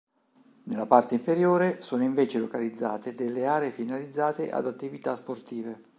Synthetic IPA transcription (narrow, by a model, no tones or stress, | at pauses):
nelːapart̪eiɱfeɾjoːɾesoːnoiɱveːt͡ʃelokalid̪zːaːt̪ed̪elːeaːɾeːfinalid̪zːaːt̪eʔa̰d̪at̪ːivit̪asport̪iːve